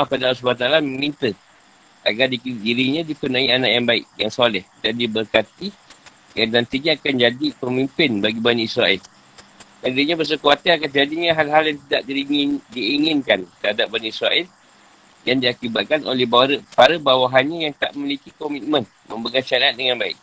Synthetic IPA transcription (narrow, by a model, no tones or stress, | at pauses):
mapadaausbat̪alaməmint̪ə | ʔa̰ɡardikdiɾiɲãdikənãiana̰ʔjaŋbaɪ̰k̚jaŋsolɛhdandibərkat̪i | janant̪iɲaːkand͡ʒadipəmimpɪnbaɡibaniisɾaɛl | adiɲãbəs̬əkuat̪əakand͡ʒadiɲãɦalɦaljaŋt̪idaʔdiindiːŋɪnkant̪əɦadap̚baniisɾaʔɛl | dandiakibat̪̚kano̰lɛhbaɾəpaɾəbawaɦanɲajaŋt̪a̰ʔmmilikikɔmit̪̚mə̃n | mə̃mbəɡanʃaɾaat̪̚dəŋanbaɪ̰k̚